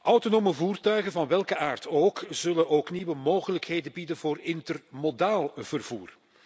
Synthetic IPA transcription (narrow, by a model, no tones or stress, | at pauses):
ʔɑwtonoːməvuːrtœɥɣənvɑnʋɛlˠkəʔaːrtʰoːkz̥ɵlənʔoːkniʋəmoːɣələkɦeːjdəbidənvoːrɪntərmodaːlˠv̥ərvuːr